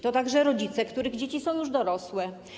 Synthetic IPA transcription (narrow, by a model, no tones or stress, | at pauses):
t̪ɔt̪aɡʐɛɾɔd͡ʑit̪sɛkt̪uɾɘɣd͡ʑet͡ɕisɔ̃w̃juʐd̪ɔɾɔswɛ